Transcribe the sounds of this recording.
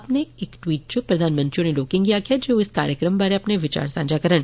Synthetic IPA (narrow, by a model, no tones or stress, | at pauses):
ɐpneeːkʈwiːʈ̚t͡ʃopɾɐd̪ʱaːnmə̃nt̪ɾijõneloːkɪ̃ŋɡkijakijad͡ʒoːɪska̰ːɾjəkɾəmbaɾeɐpneʋɪt͡ʃa̰ːɾsã̰ːd͡ʒakɐɾəɽ̃